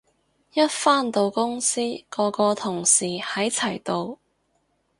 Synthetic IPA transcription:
jɐ˥t̚faː˥˩nt̪o˨˧wkʊ˥ŋsiː˥kɔː˧kɔː˧t̪ʰʊ˨˩ŋsiː˨˩hɐ˨˥jt͡sʰɐ˨˩jt̪o˨˧w

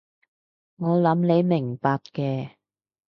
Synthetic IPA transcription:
ŋɔː˨˧lɐ˨˥mne˨˧jmɪ˨˩ŋpaː˧kkɛː˧

